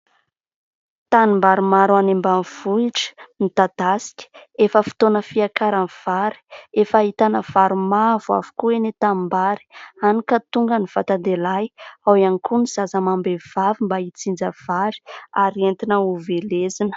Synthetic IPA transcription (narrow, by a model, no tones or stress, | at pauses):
t̪animbaɾimaɾwanembanv̥uiʈ͡ʂə̥nit̪ad̪asi̥kʲə̥efəfi̥t̪onəfiakaɾanv̥aɾi̥efait̪anəv̥aɾumavua̰vu̥kuenet̪ambaɾi̥anikət̪uŋɡəniv̥at̪and̪elajawanikʰuniz̥azəmambev̥avimbait͡sind͡zəv̥aɾi̥aɾient̪inəuvelezinə̥